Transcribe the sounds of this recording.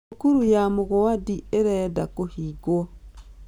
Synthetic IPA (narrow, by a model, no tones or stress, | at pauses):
kuɾujamoɣowadieɾɛdakohiɡwɔ